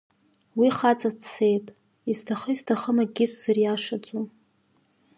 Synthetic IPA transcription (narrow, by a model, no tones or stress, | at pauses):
wiχat͡sʼat͡sʰe̞jtʼ | iztʰaχəiztʰaχəmaɡʲɪsz̥ɨrjaʂat͡sʼu